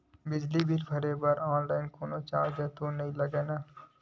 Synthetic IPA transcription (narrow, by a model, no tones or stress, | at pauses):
bɪd͡ʒlibʱiɾbʰʱɐɾebɐɾɔːnlaːɪnkoːnot͡ʃa̰ːɾd͡ʒɐːt̪uːnnɐɦĩlɐɡeːnaː